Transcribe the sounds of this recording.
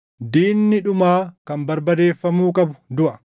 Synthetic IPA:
d̪iːnːɪᶑʊmaːkɐmbɐɾbɐd̪eːfːɐmuːkʼɐbʊd̪ʊʔɐ

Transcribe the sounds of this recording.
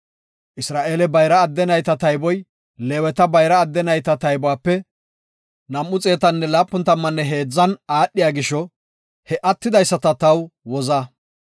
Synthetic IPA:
ʔɪsɾaːʔe̞ːlɛbɐjɾɐːd̪ːɛnɐjt̪ɐt̪ɐjbɔj | leːwɛt̪ɐbɐjɾɐːd̪ːɛnɐjt̪ɐt̪ɐjbɔwaːpːɛ | nɐmːʊt͡sʼe̞ːt̪ɐnːɛlaːpːʊnt̪ːɐmːɐnːɛɦeːd͡zːɐnaːɗːɪjaːɡɪʃɔ | hɛʔɐt̪ːɪd̪ɐjsːɐt̪ɐt̪ɐwwɔzɐ

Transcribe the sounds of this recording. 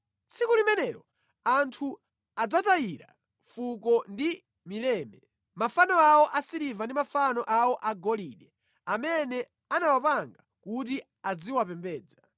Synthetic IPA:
t͡sikulimɛnɛɾɔ | antʰu | ad͡zatajiɾa̰ | fukɔndi | milɛːmɛ | mafanɔawɔʔasiɾivandimafanɔʔawɔʔaɡɔliɗɛ | amɛnɛ | anawapaŋɡakuti | ad͡ziwapɛmbɛːd͡za

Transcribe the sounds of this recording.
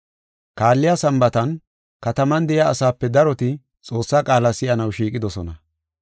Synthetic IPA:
kaːlːɪjasɐmbɐt̪ɐn | kɐt̪ɐmɐnd̪ɛjaɐsaːpːɛd̪ɐɾɔt̪ɪ | t͡sʼo̞ːsːaːkʼaːlasɪjɐnɐwʃiːkʼɪd̪ɔsɔnɐ

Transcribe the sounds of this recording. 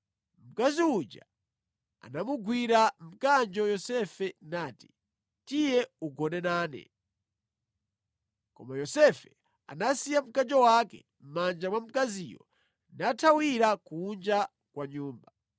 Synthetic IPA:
m̩kaziud͡ʒa | a̰namuɡwiɾam̩kand͡ʒɔjɔsɛfɛnaːti̥ | tijɛuɡɔnɛnaːnɛ̰ | kɔ̰majɔsɛfɛ | a̰nasijam̩kand͡ʒɔwakɛ̰ | m̩mand͡ʒamwam̩kazijɔ̰ | natʰawiɾakuːnd͡ʒa | kwaɲuːmba

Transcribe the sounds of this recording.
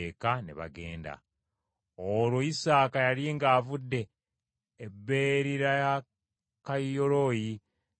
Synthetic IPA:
ekanḛβa̰ɡe̞̰ːnda̰ | oɾwo̞jisaːkajaɾeŋɡaːvudːe̞ː | bːeɾiɾaja | kajjoɾoji

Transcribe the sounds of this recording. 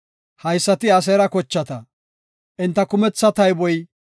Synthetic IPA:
hɐjsːɐt̪ɪɐs̬ɛɾɐkɔt͡ʃːɐt̪ɐ | ʔɪnt̪ːɐkʊmɛt͡sːɐt̪ɐjbɔj

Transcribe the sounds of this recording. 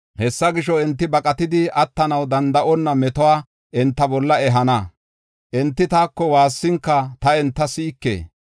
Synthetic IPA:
hɛsːɐɡɪʃɔɛnt̪ːɪbɐkʼɐt̪ɪd̪ɪʔɐt̪ːɐnɐwd̪ɐnd̪ɐʔɔnːɐmɛt̪ɔwaː | ʔɛnt̪ːɐbɔlːɐɛɦɐnɐ | ʔɛnt̪ːɪt̪aːkːɔwaːsːɪŋkːɐt̪ɐɛnt̪ːɐsiːkːḛː

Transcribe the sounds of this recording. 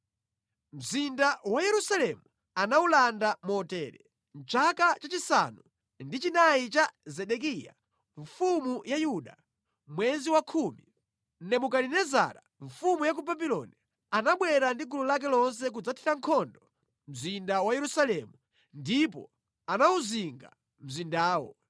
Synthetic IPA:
m̩zindawajɛɾusalɛmu | anaulandamɔtɛɾɛ̰ | nt͡ʃakat͡ʃat͡ʃisa̰nu | ndit͡ʃinait͡ʃazɛɗɛk̬ija̰ | ɱfumujajuɗa̰ | mwɛziwakʰuːmi | nɛmukalinɛza̰ːɾa | ɱfumujak̬ubabilɔ̰ni | anaɓwɛɾandikululak̬ɛlɔns̬ɛk̬ud͡zatʰi̥taŋkʰɔndɔ | m̩zindawajɛɾusalɛmu | ndipɔ | anauziŋɡa̰ | m̩zindaːwɔ

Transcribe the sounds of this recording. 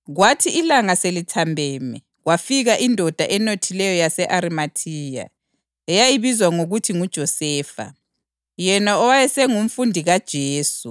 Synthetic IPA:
ɣwatʰiilaŋaselitʰambʱɛːmɛ | ɣwafiɣaʔindʱɔd̥ʱaʔɛnotʰilɛjɔjasɛʔaɾimatʰiːja̰ | ɛjaiβizwaŋoɣutʰiŋud̥ʒ̥ʱɔsɛːfa̰ | jɛnaɔwajɛsɛŋum̩fundʱiɣad̥ʒ̥ʱeːsu

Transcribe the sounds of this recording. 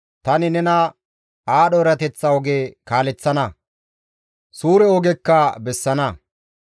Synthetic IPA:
t̪ɐnɪnɛnɐ | aːɗɔɾɐt̪ɛt͡sːɐɔɡeːkaːlɛt͡sːɐnɐ | suːɾɛɔɡɛkːɐbɛsːɐnɐ

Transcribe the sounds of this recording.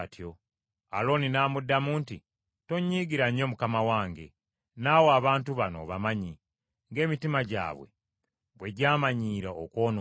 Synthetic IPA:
tjo | a̰lo̞ːninaːmudːamuːnti | toɲːiːɡiɾaɲo̞mukamawaːŋɡe̞̰ | nawoaβaːntuβano̰βamaɲi | ŋɡe̞ːmitimaɟa̰ːβwe̞̰ | βwe̞ɟaːmaɲiːɾaokwo̞ːno

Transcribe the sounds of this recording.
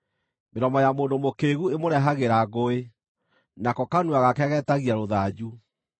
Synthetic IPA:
meɾɔmɔjamoːndomokeːɣuemoɾɛɦaɣeɾaɣoe | nakɔkanuaɣakɛɣɛtaɣiaɾoðad͡ʑu

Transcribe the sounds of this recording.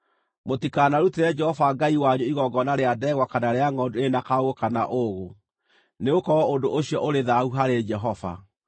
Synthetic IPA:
motikanaɾuteɾɛd͡ʒɛhɔvaɡaiwaɲoiɣɔɡɔnaɾeadɛɣwakanaɾeaŋɔdoenakaoɣokanaʔoɣo | neokɔwɔondoʔoɕiɔʔoɾeðauɦaɾed͡ʒɛɦɔva̰

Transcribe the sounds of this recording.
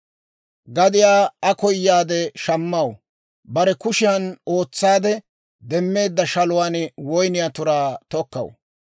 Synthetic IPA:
ɡɐd̪ɪjaːɐkɔjːaːd̪ɛʃɐmːɐw | bɐɾɛkʊʃɪjɐno̞ːt͡sːaːd̪ɛ | d̪ɛmːe̞ːd̪ːɐʃɐlʊwaːnwɔjnɪjaːt̪ʊɾaːt̪ɔkːɐ̰w

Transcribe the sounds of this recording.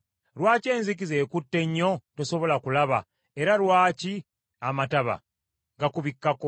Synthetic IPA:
lwaːce̞ːnzik̬ize̞ːkutːe̞ɲːo̞to̞so̞βo̞lakulaβa | e̞ɾalwaːci | amataβa̰ | ŋɡakuβikːako̞

